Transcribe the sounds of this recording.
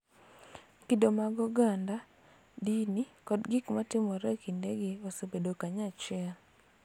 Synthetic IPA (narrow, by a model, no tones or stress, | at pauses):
kidomaɡɔɡanda | dinikɔdɡɪkmatɪmɔɾɛkindeɡɪosebedokaɲat͡ʃɛl